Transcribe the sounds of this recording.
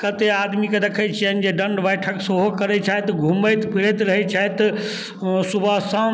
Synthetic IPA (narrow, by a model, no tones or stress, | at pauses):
kət̪eaːd̪miked̪ekʰət͡ʃʰiənd͡ʒeɖə̃ɳɖʋəjʈʰəksəɦokəɾɛt͡ʃʰaɦt̪ɡʱuməjt̪pʰiɾet̪ɾəɦet͡ʃʰaet̪ | subʱəsã